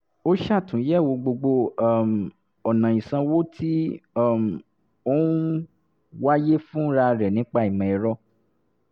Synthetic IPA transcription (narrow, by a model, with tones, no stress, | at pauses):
o˦ʃa˦˨tũ˨˦jɛ˦˨wo˧ɡ͡bo˧ɡ͡bo˧˦˨m˨ | ɔ˨nã˨ĩ˨sã˧wo˦tʰi˦ɔ˦˨m˨ | o˦ | wa˦je˦fũ˦ɾa˧ɾɛ˨nĩ˨˦k͡pa˦˨i˨mɛ̃˨ɛ˨ɾɔ˧˦